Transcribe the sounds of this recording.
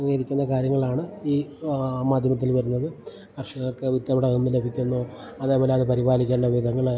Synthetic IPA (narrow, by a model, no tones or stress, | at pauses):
ŋːɐjɾikʲːunːɐkaːɾjɐŋːɐɭaːɳɨiːmaːd̪ʱjɐmɐt̪̬ːilʋɐɾunːɐðɨ | kɐrʂɐŋɐɭkːɨʋit̪jɐʋiɽeumːile̞bʱikʲːunːoː | ɐðe̞ːpo̞ːleɐðɨpɐɾibaːlikʲːeːɳɖɐʋid̪ʱɐŋːɐɭ